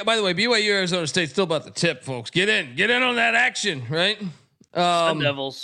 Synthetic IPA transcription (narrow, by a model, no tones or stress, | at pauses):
baɪðəweɪbiweɪjʉɛɹzõʊnsteɪtstɪlˠəbaʊt̪̚ðətʰɪpfoʊksɡ̥ɛɾɪ̃nɡɛɾɪ̃nə̃nðɨɾækʃɨ̃nɹaɪt̚ | ʔʌ̃mɛvl̩̥ˠ